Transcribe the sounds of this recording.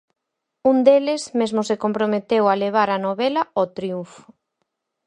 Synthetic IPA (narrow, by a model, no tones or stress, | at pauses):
und̪elesmezmʊsekompɾomet̪ewaleβ̞aɾanoβelɐot̪ɾiufʊ̥